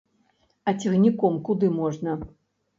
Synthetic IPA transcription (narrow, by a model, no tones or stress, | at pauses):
ɐt͡sʲiɣnʲikɔmkud̪ɨmɔʐnɐ